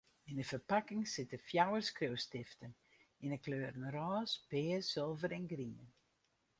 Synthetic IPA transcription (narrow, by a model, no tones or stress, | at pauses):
ɪndəfərpakɪŋsɪtəfjawərskrøwstɪftən | ɪnəkløːɾənrɔːsb̥ɪːəsɪlˠvəɾɛnɡriən